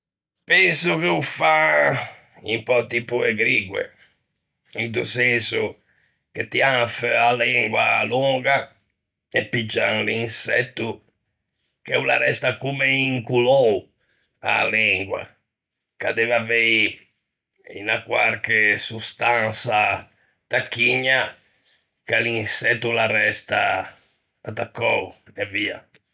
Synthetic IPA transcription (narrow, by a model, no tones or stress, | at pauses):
pɛnsukeufa | impɔt̪ipuɛɡɾiːɡwɛ̰ | int̪usɛnsu | k̟et̪ːiaɱfalɛŋɡwa̰lɔːɡa | ɛpːid͡ʒːanliinsɛ̰t̪ːu | kɛula̰ɾɛst̪akumɛiŋkulɔu | a̰liŋɡwa̰ | kad̪evavei | ḭnakwa̰ɾkesust̪ansa | t̪akːiɲːa | kalinsɛt̪ːularɛst̪aː | t̪akːɔuɛviːa̰